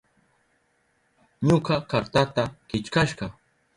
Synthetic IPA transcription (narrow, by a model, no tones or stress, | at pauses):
ɲoɢɑkaɾt̪at̪akɪt͡ʃkaʃɢɑ